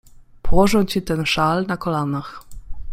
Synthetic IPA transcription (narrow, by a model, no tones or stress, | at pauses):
pɔwɔʐɔ̃w̃t͡ɕit̪ɛnʂalnakɔlanax